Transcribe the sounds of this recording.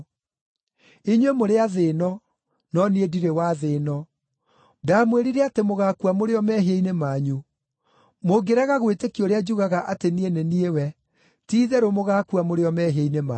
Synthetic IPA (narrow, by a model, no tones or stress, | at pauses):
iɲwemoɾeaðeːnɔ | nɔniediɾewaðeːnɔ | daːmweɾiɾɛatemoɣakuamoɾeɔmɛɦeinemaɲu | moɡeɾaɣaɣwetekioɾead͡ʒuɣaɣaʔatenieneniewɛ | tiːðɛɾomoɣakuamoɾeɔmɛɦeinema